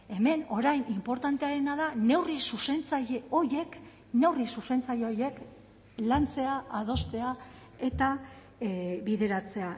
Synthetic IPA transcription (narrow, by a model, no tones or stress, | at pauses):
e̞me̞no̞ɾajnimpo̞ɾt̪ant̪eaɾe̞naðane̞wrisuse̞nt͡saʎeo̞je̞k | ne̞wrisuse̞nt͡saʎeoje̞k | lant͡se̞aað̞o̞st̪e̞a | e̞t̪a | βiðe̞ɾat͡se̞a